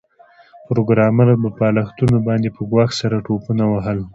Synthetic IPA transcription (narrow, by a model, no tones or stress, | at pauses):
pɾoɡɾɑmaɾab̪əpɑlaxt̪unobɑnd̪epəɡwɑxsaɾaʈopunawaɦəl